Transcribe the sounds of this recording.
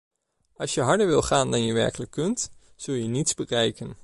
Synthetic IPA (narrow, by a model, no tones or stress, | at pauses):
ɑlˠsjəɦɑɹdəɹʋɪlˠχaːndɑnjəʋɛ̰ɹkələkːɵnt | z̥ɵlˠjənitzbərɛjkən